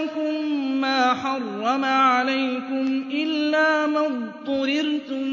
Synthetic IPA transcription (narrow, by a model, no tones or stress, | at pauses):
kʊmːaːħɑrˤːɑmaʕalajkʊmʔɪlːaːmat̪ˤːʊɾɪɾt̪ʊ